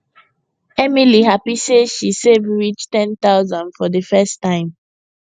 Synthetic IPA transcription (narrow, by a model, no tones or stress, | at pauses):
ɛmiliɦapiseʃisevɹit͡ʃtɛ̃nt̪aʊzãndfɔdəfɛstːãɪ̃m